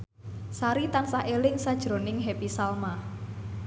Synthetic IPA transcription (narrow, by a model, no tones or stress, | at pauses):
saɾit̪ansaʔelɪŋsad̥ʒ̥ɾo̤nɪŋɦepisalma